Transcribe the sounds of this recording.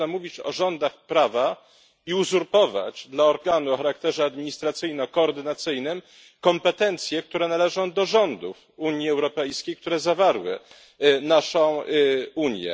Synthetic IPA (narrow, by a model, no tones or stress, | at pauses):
amuvʲit͡ɕɔ̰ʐɔnd̪axpɾava | iuzuɾpɔva̰t͡ɕd̪laɔɾɡanuɔxaɾak̚t̪ɛʐɛad̪mʲiɲist̪ɾat̪sɘjnɔkɔːɾd̪ɘnat̪sɘjnɘm | kɔmpɛt̪ɛnt̪sʲjɛk̚t̪uɾɛnalɛʐɔ̃w̃d̪ɔʐɔnd̪uf | uɲjiɛwɾɔpɛjskʲejkt̪uɾɛzavaɾwɘ̰ | naʂɔ̃w̃uɲjɛ̰